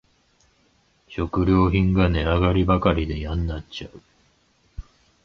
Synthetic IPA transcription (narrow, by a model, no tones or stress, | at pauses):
ɕo̞kɯ̟ɾʲo̞ːçĩŋɡane̞aɡaɾʲibakaɾʲid̪e̞jãnːat͡ɕaɯ̟